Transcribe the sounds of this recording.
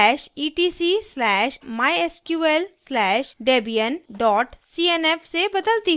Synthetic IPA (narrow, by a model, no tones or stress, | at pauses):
ɛːʃiːʈiːsislɛːʃmaːjeskjuːelslɛːʃɖeːbijənɖɔːʈsiːeneːpsebɐd̪əlt̪i